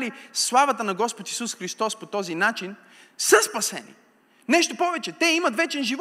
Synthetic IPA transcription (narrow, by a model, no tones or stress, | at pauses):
lislˠavɐt̪ənɐɡɔspot̪i̥susxɾist̪ɔspot̪ɔzinat͡ʃin | səspɐsɛ̰nḭ | nɛʃt̪opɔvɛt͡ʃɛt̪ɛimɐt̪vɛt͡ʃɛnʒiv